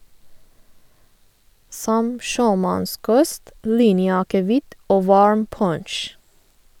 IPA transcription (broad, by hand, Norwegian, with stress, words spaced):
ˈsɔm ˈʃøːˌmɑnˌskɔst ˈliːnjəɑkəˌʋɪt ˈoː ˈʋɑɹm ˈpɔɳʃ